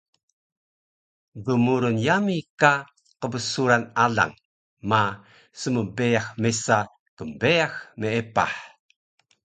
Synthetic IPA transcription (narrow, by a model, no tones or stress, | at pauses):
dəmuɾunjamika | qəbəsuɾanaɮa̰ŋ | ma | səməbejaxmesa | kəmbejaxmeepa̰ħ